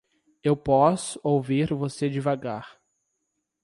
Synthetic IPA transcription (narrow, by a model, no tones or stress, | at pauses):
ewpɔsʊ̥owviɾvosed͡ʒɪvaɡaɾ